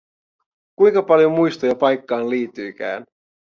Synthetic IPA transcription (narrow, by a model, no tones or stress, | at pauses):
kujŋkɑpɑljomujst̪ojɑpɑjkːɑːnliːt̪ːyjk̟æ̰ːn